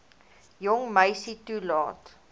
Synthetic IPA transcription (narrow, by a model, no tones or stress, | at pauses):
jɔŋməjsitulɑ̰ːt